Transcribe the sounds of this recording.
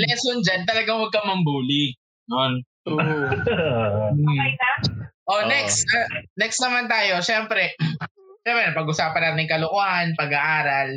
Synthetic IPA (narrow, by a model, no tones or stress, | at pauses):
lɛsond͡ʒant̪ɐlɐɡaŋwɐɡ̚kɐmɐmbuːlɪɡ̚ | non | ʔonɛksnɛksnɐmant̪aːjo̞ʃɛmpɾɛ | ʃɛmpɾɛnɐpɐɡʔʊsaːpɐnaːt̪ɪnɐŋkɐloʔohanpɐɡɐʔaːɾɐl